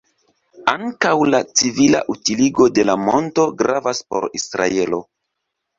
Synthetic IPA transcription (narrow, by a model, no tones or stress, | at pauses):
aŋkawlat͡sivila̰ʔutiliɡo̞de̞lamo̞nto̞ɡɾavaspo̞̰ɾisɾa̰e̞lo̞̰